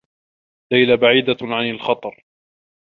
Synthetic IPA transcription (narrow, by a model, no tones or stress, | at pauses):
lajlabaʕiːd̪aʕanalxɑt̪ˤɑɾˤ